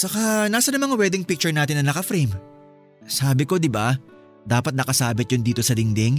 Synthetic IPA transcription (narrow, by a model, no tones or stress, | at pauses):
t͡ʃɐkanaːsɐnɐmɐŋɐwɛːd̪ɪŋpɪk̚t͡ʃʊɹnaːt̪ɪnːɐnɐkɐfɾɛm | saːbɪko̞d̪ɪba | d̪aːpɐt̪̚nɐkɐsaːbɪt̪̚jʊnd̪iːt̪o̞sɐlɪŋd̪ɛŋ